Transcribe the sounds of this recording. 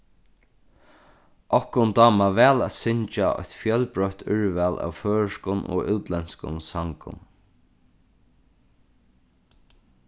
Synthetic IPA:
ʔɔhkʊnt̪ɑːmaʋɛːlæt̪sɪɲt͡ʃaʔɔ̰ht̪fjœlpɹœht̪ʰʏɹvælʔa̰wføːɹskʊnɔ̰ːɪwt̪lɛnskʊ̰nsaŋkʊ̰n

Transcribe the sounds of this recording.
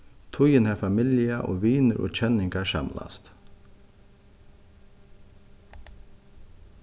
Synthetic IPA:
t̪ʰʊjənhɛfamɪljaʔɔ̰ːʋiːnəɾʔɔ̰ːt͡ʃʰɛnɪŋkaɹsa̰mla̰st̪

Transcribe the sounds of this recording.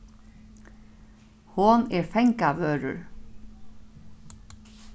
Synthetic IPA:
hʊneːɹfɛŋkaʋøːɹə̰ɹ

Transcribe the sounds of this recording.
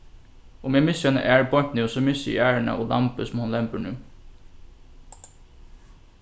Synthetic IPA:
ʊmjæːmɪsœnə̰ʔæːɹbɔt̪nʉːsɔmɪsəḭæːɹəɳə̰ʔoːlɑmpəsɔmhʊnlɛmpəɳʉː

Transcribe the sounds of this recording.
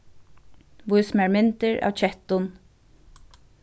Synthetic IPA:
ʋʊjsmæɹmɪnt̪ɪɹa̰ːwt͡ʃʰɛht̪ʊn

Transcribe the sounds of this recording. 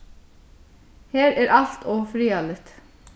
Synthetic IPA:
hæːɾæːɾʔɑlt̪ʰoːfɾiːɑlət̪

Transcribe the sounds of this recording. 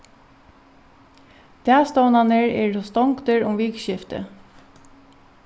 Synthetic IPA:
d̪̥æːst̪ɔːnɑnəɹḛːɹɔst̪ɔŋkt̪əɹʊmʋiːkʃɪft̪ə̰

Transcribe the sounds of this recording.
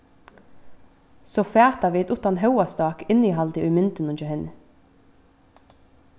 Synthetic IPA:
soːfæːt̪ɑʋiːɛt̪ʊt̪ɑnɦœwɑst̪ɑːkɪniːɦɑld̪ɪʔʉːmʏnt̪ənʊnt͡ʃəhɪn

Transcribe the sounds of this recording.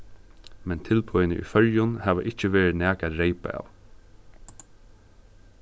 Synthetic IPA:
mɛnt̪ʰɪlpʰɔjnə̰ʔḭːfœljʊnhaːʋə̰ʔɪt͡ʃəʋeːɹɪnæːkaɾeɪpa̰ɑ̰ːw

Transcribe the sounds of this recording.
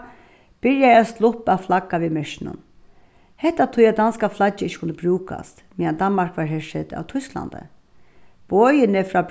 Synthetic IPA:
b̥ɪɹjaast̪lʊhpaflakːaʋiːmɛʂɪnʊ̰n | hɛht̪ːat̪ʰʊjad̪anskaflat͡ʃːɪɪçt͡ʃːɪ̥kʰʊnt̪əbɾuːka̰st̪miand̪anmarkʋaɹɦɛʂɪt̪a̰wt̪ʰʊskla̰nd̪ə̰ | bɔːjɪnɪfɾaːb

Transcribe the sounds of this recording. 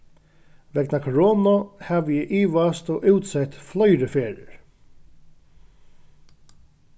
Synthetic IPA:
ʋɛknakʰɹoːnɔhæːʋjɛʔiːʋast̪oːʔʉwt̪sɛt̪flœʏɾəfeːɾəɹ

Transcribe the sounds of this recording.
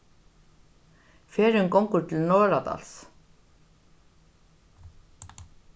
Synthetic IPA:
fɛːɾʏŋkowŋkʏɾt̪ʰɪlnɔːɾat̪a̰ls

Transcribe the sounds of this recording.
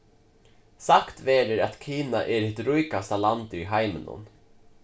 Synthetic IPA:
sakt̪veːɾəɾat̪kʰiːna̰ʔɛɾhɪt̪ɾujkast̪alant̪ʏɾiɦajmɪ̰nʊ̰n

